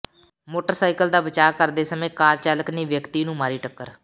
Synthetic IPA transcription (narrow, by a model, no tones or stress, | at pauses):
moːʈəɾsaːɪkəld̪aːbət͡ʃaːkəɾd̪eːsəmẽːkaːɾt͡ʃaːləkniːʋjəkt̪iːnũːmaːɾiːʈəkːəɾ